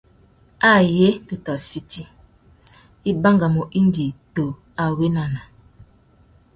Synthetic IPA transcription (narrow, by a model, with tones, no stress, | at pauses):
a˦je˦to˨ta˨fi˦ti˦ | i˦ba˦ŋɡa˨mo˨ʔi˦ndi˨to˨ | a˨we˦na˨na˨